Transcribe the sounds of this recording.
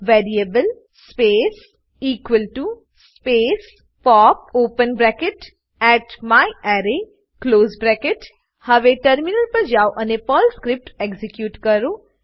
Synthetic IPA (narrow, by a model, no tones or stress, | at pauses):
ʋɛːɾiebəl | speːs | iːkʋəlʈu | speːs | pɔːp̚oːpənbɾɛkɪʈ | ɛːʈmaːiɛːɾe | kloːzbɾɛkeʈ | hɐʋeʈəɾminəlpɐɾd͡ʒaːwʔɐnepɔːlskɾɪp̚ʈekzɪkjuːʈkɐɾo